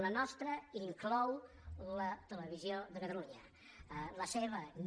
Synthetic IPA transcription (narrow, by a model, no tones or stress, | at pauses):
lənɔst̪ɾəiŋklɔw | lət̪ələβ̞izioðəkət̪əluɲə | ləseβ̞ən